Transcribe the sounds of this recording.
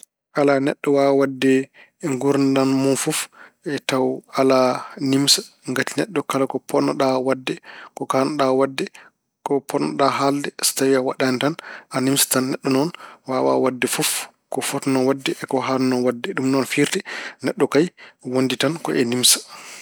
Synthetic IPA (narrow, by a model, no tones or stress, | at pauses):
ʔalanɛɗːɔwawadːɛ | ŋɡuɾndanmunfufʔɛtawalanimsḁŋɡatinɛɗːɔkalakɔpʰɔnːɔɗawadːɛkɔkanɔɗawadːɛ | kɔpʰɔnːɔɗaɦaldɛstawiawaɗantanʔanimsḁtanːɛɗːɔnɔnwawa̰wadːɛfuf | kɔfɔtnɔwadːɛʔkɔɦalnɔwadːɛɗumnɔnfiɾtɛnɛɗːɔkajwonditankɔʔɛnimsḁ